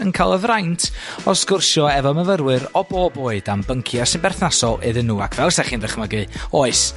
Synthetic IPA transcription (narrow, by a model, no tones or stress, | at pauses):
ənkʰalˠəvrajntʰɔskʊrʃɔɛvɔməvəɾwɨɾɔboːboːɨdambəŋkʰjasɨnbɛrθnasɔɨðənːuːa̰kʰv̥ɛlˠsɛχiːndəχməɡɨoːɨs